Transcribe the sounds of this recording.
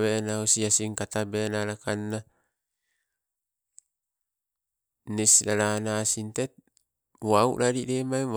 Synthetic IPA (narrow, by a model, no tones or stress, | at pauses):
βenausiasiŋkat̪abenaɾakanːa | nisɾaɾanasint̪et̪̚ | wauʔɾaɾiɾemae